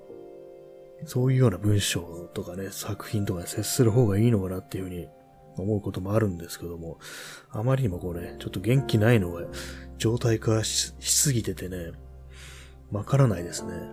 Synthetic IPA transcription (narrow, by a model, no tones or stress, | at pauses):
so̞ːjɯ̟ːjo̞ːnabɯ̟̃ɰ̃ɕo̞ːt̪o̞kane̞sakɯ̟̥çĩnt̪o̞kanese̞sɨ̥sɨɾɯ̟ɦo̞ːɡaiːno̞kanat̪ːe̞iɯ̟hɯ̟ɲ̟i | o̞mo̞ɯ̟ko̞t̪o̞mo̞aɾɯ̟̃nd̪esɨ̥ke̞d̪o̞mo̞amaɾʲiɲ̟imo̞ko̞ːne̞t͡ɕo̞t̪ːo̞ɡẽ̞ŋkʲinaino̞ɡad͡ʑo̞ːt̪aikaaçi̥sɨɡʲit̪e̞t̪e̞ne̞ | makaɾanaid̪e̞sɨne̞